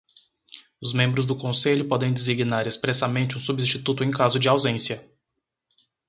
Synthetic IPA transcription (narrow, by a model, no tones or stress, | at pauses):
ʊzmẽmbɾʊzd̪ʊkõseʎʊpɔd̪ẽj̃d̪eziɡnaɾespɾɛsɐmẽnt͡ʃɪũsubĩst͡ʃit̪ut̪ʊẽj̃kazʊd͡ʒɪawzẽsiɐ